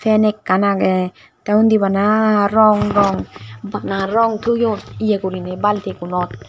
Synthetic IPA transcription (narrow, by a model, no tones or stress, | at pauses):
fʰɛnekːanaɡe | t̪aund̪ibanaɾɔŋɾɔŋbanaɾɔŋt̪ʰujot̪ijekuɾinebalt̪ekunɔt̪̚